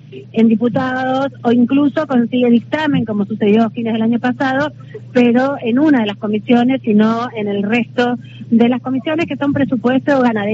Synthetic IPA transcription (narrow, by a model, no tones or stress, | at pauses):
e̞nd̪iput̪aðo̞soiŋkluso̞ko̞nsiɣe̞ðik̚t̪ame̞ŋko̞mo̞suse̞ðjo̞okineðelaɲo̞pasað̞o̞ | peɾo̞enunaðe̞lasko̞misjo̞ne̞sinoe̞ne̞lrest̪o̞ | ðe̞lasko̞misjo̞ne̞ske̞so̞mpɾesupwest̪oɣanaðe